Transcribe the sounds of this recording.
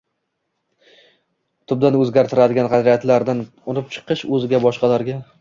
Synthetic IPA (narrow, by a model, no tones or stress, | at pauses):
t̪ʰʊb̚d̪anɵzɡʲaɾt̪ʰɪɾad̪ɪɡʲanʁɑd̪ɾijat̪laɾd̪an | ʊnɪp̚t͡ʃʰɨ̥qʰɨʃɵzɪɡʲabɒʃqɑlaɾɡʲa